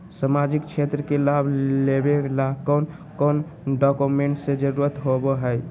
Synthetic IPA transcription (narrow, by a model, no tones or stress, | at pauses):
səmad͡ʒikt͡ʃʰet̪ɾəkelabʱlebelakɔn | kɔn | ɖɔkumeɳʈsẽd͡ʒəɾuɾət̪ɦobɔɦəj